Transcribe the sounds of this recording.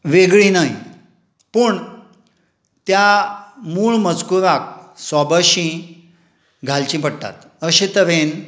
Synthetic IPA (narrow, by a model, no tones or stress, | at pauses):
ʋeɡɭĩnai | pəɳ | t̪jamuːɭmət͡skuɾak̚sɔbaɕĩ | ɡʱalt͡ɕĩpəɽt̪a̰t̪ | əɕet̪əʋen